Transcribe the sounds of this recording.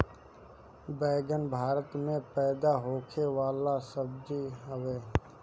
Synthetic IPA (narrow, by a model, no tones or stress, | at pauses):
bɛːɡənbʱaːɾət̪mẽpɛːd̪aɦoːkʰeʋaːlasəbd̪iɦəweː